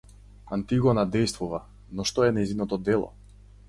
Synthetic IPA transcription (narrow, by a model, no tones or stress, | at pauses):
ant̪iɡɔnad̪ɛjst̪vuva | nɔʃt̪ɔɛnɛjzinɔt̪ɔd̪ɛlˠɔ̰